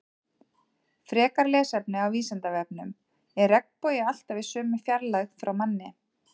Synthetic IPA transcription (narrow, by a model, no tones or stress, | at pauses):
fɾɛːkaɾlɛːsɛpnɪawiːsɛnt̪avɛp̚nʏm | ɛɾrɛknpɔjɪal̥t̪avɪsʏːmʏfjaɾlaxfɾawmanːɪ